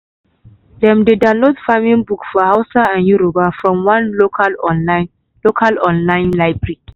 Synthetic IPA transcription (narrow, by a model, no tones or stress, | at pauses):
dɛ̃mdedãnlodfamĩnbukfɔhaʊsaãnjuɾobafɹɔ̃mwãnlokalɔn | lokʰalɔ̃nlãɪ̃nlaɪbɹi